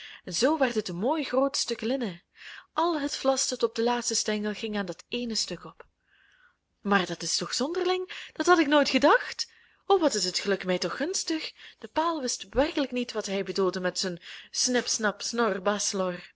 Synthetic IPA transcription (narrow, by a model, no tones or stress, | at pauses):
ɛnzowʋardɪtəmoːjxroːtstɵklɪnə | ʔɑlˠɦətflɑsdɑtɔb̚dəlaːtstəstɛŋəlˠɣɪŋaːndɑteːnəstɵkɔp | maːrdɑtɪstɔxz̥ɔndərlɪŋd̥ɑtɦɑtɪknoːjtxədɑxt | oʋɑtɪsətxəlɵkmɛjtɔxːɵnstəxd̥əpaːlˠʋɪstʋɛrkələknitʋɑtɦɛjbədulˠdəmɛtsənsnɪpsnɑpsnɔrbɑslɔr